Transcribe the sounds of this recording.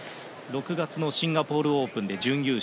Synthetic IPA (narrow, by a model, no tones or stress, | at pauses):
ɾo̞kɯ̟ɡat͡sɨno̞ɕĩŋɡapo̞ːɾɯ̟o̞ːpɯ̟̃nd̪e̞d͡ʑɨ̃ŋ̃jʲɯː